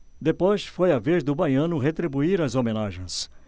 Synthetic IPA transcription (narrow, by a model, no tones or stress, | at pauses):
d̪epojsfojɐvezd̪ʊbajɐ̃nʊɦet̪ɾibuiɾɐzomẽnaʒẽj̃s